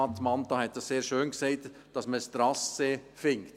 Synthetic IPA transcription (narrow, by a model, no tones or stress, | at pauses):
ɑtmɑnt̪ɑhɛt̚d̥ɑsseːɾʃøːnksɛɪt | d̥ɑsməst̪ɾɑsefɪŋkt